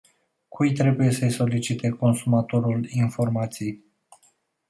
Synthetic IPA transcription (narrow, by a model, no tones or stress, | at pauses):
kʰujt̪ɾe̞buje̞səjso̞lit͡ʃit̪e̞ko̞nsumat̪o̞ɾulinfo̞rmat̪sij